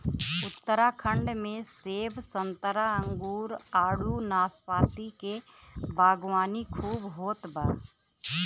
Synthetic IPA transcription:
ʊt̪ːəɾakʰə̃ɳɖmẽseːbsə̃nt̪əɾaə̃ŋɡuːɾaːɽunaːspaːt̪ike | bʱaːɡwaːnikʰuːbɦoːt̪baː

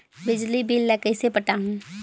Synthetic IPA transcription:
bɪd͡ʒlibʱiːlːɛkəɪsepəʈaːɦũː

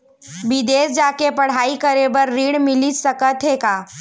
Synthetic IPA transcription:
bɪd̪eːsd͡ʒaːkepəɽ̤aːikəɾebəɾːiːɽmɪlisəkət̪ɦekaː

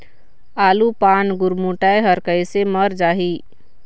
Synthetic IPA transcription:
aːlupaːnɡʊɾmuʈajɦəɾkəjseməɾd͡ʒaːɦi

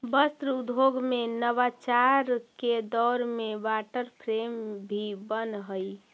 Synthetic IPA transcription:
bəst̪ɾud̪ʱoɡmenəbat͡ʃaɾked̪ɔːɾmebaʈəɾpʰɾembʱibənɦəj

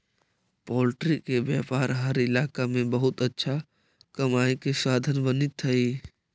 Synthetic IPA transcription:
pɔːlʈɾikebjaːpaːɾɦəɾɪlaːkamẽbəɦʊt̪ətːʃʰa | kɐmaːikesaːd̪ʱənbənɪt̪ʰɐiː

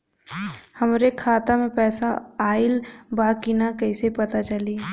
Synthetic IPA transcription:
hɐmɾekʰaːt̪amẽpɛːsaaːɪlbaːkinakɐɪsepɐt̪at͡ʃɐliː

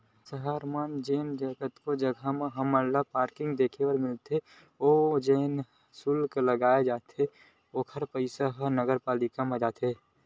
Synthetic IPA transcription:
səɦaɾmand͡ʒeːnd͡ʒəɡət̪kod͡ʒəɡʱameɦəməɾlapaːɾkɪ̃ŋɡd̪eːkʰewəɾmɪlt̪e | od͡ʒeːn | sulkləɡaːed͡ʒaːt̪ʰe | oːkʰəɾpəɪsaɦnəɡəɾpaːlɪkamẽd͡ʒaːt̪ʰe

